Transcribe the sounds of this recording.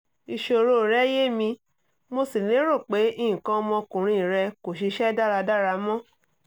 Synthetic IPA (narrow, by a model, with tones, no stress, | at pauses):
i˧ʃo˧˨ɾo˦˨ɾɛ˦je˦mĩ˧ | mo˧si˨lĩ˨˦ɾo˦˨k͡pe˨˦ĩ˦˨ĩ˨kã˧ɔ˧mɔ̃˧kũ˨ɾ̃ĩ˧˦˨ɾɛ˧ko˨ʃi˧˦ʃɛ˦da˦˨ɾa˧da˦˨ɾa˧mɔ̃˦